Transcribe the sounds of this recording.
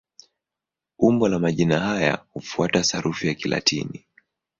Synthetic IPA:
umbɔlamaʄinaɦaja̰hufuatasaɾʔufijakila̰tʰḭni

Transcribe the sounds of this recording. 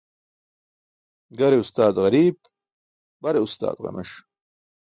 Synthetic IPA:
ɡɐɾeust̪aːd̪ɣɐɾiːb | bɐɾeust̪a̰ːd̪ʁɐ̰mḛʂ

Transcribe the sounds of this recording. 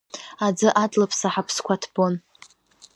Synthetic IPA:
ad͡zɨʔatʼlapʰsaħapʰskʷʰatʰb̥on

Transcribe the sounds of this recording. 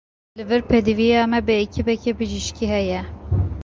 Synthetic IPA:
lɨvɨɾpʰɛd̪ivijɑːmɛbɨecʰibɛkɛbɨʒiʃkiɦɛjɛ

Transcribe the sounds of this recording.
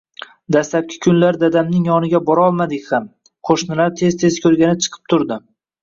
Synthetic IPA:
d̪aslap̚kʲʰɪ̥kʲʰʊnlaɾd̪ad̪amnɪŋjɒnɪɡʲabɒɾɒlˠmad̪ɪkʲham | qʰoʃnɪlaɾt̪ʰe̞zt̪ʰe̞zkʰʲɵɾɡʲanɪt͡ʃʰɨ̥qʰɨ̥p̚t̪ʰʊɾd̪ɪ

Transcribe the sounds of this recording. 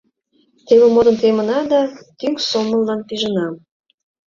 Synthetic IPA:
t̪eβə̆mod̪ə̆nt̪emə̆nɑd̪ɑt̪yŋksomə̆lːɑnpiʒənɑm

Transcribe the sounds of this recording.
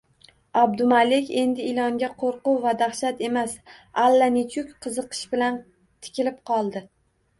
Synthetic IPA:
abd̪ʊmalekʲe̞nd̪ɪɪlɒŋɡʲaqʰoɾqʊwvad̪aχʃat̪e̞masalːanɪt͡ʃʰʊkʲqʰɨzɨqʰɨ̥ʃbɪlan | t̪ʰɪ̥kʲʰɪlɪp̚qʰɒlˠd̪ɪ

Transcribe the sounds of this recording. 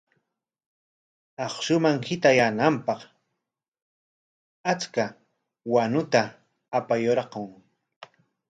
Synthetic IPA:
ɑχʃʊmaŋhɪt̪ajanampɑq | at͡ska | wanʊt̪aː | pajoɾɑqoŋ

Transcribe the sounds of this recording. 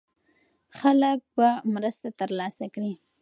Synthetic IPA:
xalək̚bamɾəst̪at̪əɾlɑsakɽi

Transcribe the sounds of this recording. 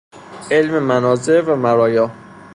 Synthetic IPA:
elmemænɒːzevæmæɾɒːjɒː

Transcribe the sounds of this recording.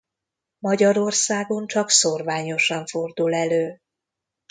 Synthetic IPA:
mɒɟɒɾo̞rsaːɡo̞nt͡ʃɒksorvaːɲo̞ʃɒɱfo̞rd̪ulɛløː

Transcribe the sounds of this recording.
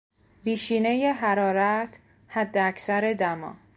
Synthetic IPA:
biːʃiːne̞jeɦæɾɒːɾæt̪ʰ | hæd̪ːeæcsæɾe̞d̪æmɒ̰ː

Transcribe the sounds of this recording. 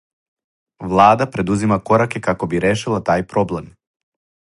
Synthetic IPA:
ʋlˠaːd̪apɾe̞d̪uzimako̞ɾakekako̞biɾeːʃilˠat̪aːjpɾo̞ble̞m

